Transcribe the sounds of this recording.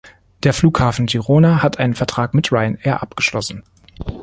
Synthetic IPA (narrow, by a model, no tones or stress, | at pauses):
d̥eːɐfluːkhaːfn̩diʁoːnahatʔaɪnənfɛɐtʁ̥aːkmɪtʁaɪəneːɐʔap̚ɡ̥əʃlɔsn̩